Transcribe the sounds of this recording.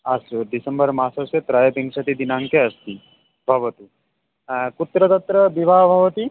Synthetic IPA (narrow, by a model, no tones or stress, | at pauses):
asuɖisəmbəɾmasɐset̪ɾajd̪ʱĩŋɡsɐt̪id̪inãŋkeɐst̪i | bʱɐʋət̪i | kut̪ɾət̪ɐt̪ɾəbibaɦbʱɐʋət̪i